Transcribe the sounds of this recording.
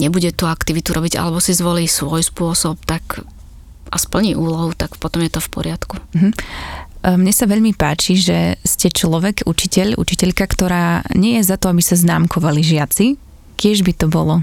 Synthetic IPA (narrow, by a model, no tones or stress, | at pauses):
ɲɛbuɟɛt̪uakt̪iʋit̪uɾɔbiɟa̰lɛbɔsizʋɔliːsʋɔjspʊɔsɔp̚t̪ak | ʔaspl̩ɲiːʔuːlɔɦut̪akpɔt̪ɔmjɛt̪ɔfpɔɾɪat̪kuɦ̩ | mɲɛsaʋɛʎmipaːt͡ʃiʒɛscɛt͡ʃlɔʋɛɡṵt͡ʃicɛʎṵt͡ʃicɛʎkakt̪ɔɾaːɲɪɛjɛzat̪ɔabisaznaːmkʰɔʋaliʒɪat͡si | cɪɛʒbit̪ɔbɔlɔ